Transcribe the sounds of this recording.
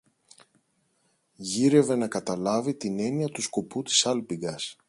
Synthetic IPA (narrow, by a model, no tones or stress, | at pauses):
ʝiɾe̞ve̞nɐkɐt̪ɐlɐvit̪ine̞niɐt̪usko̞put̪i̥sɐlpiɡɐs